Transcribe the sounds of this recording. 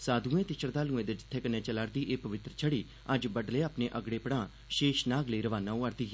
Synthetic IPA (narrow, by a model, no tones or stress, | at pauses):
saːd̪ũːẽːt̪ɪʃəɾd̪aːlũːẽːd̪eːd͡ʒɪt̪ʰːeːkənẽːt͡ʃəlaːɾd̪iːʔeːpəʋɪt̪ɾət͡ʃʰəɽiː | əd͡ʒbəɖleːaːpneːʔəɡɽeːpəɽãː | ʃeːʃnaːɡləiːɾəʋaːnãːũːəɾd̪iː